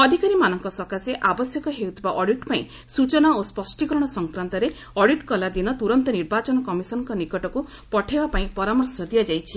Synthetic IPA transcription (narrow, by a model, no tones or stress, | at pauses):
ɔd̪ʱikaɾimanɔŋkɔsɔkaseʔabɔsjɔkɔɦewt̪ʰibaʔɔɽiʈpaĩ | sut͡ʃɔnaospɔsʈikɔɾɔɽ̃ɔsɔŋkɾant̪ɔɾe | ɔɽiʈkɔlad̪inɔt̪uɾɔnt̪ɔniɾbat͡ʃɔnɔkɔmisɔnɔŋkɔnikɔʈɔku | pɔʈʰebapaĩpɔɾamɔɾsɔd̪ijad͡ʒajt͡ʃʰi